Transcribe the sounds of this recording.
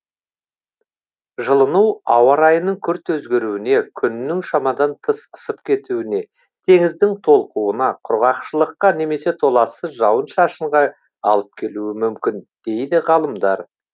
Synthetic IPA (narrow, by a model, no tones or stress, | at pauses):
ʒəlˠənuwɑwɑɾɑjənəŋkʲʰʏɾt̪ɵzɡʲe̞ɾuwɪne̞kʲʰʏnːɪŋʃɑmɑd̪ɑnt̪ʰəsəsəpkʲʰe̞t̪uwɪne̞ | t̪ʰe̞ŋɪzd̪ɪŋt̪ʰo̞lˠquənɑqʰʊɾʁɑqʃəlˠəqːɑne̞me̞se̞t̪ʰo̞lˠɑsəʒɑwənʃɑʃəɴʁɑ | ɑlˠəp̚kʲʰe̞luɪmʏmkʲɪnd̪̥e̞jd̪ɪʁɑlˠəmd̪ɑɾ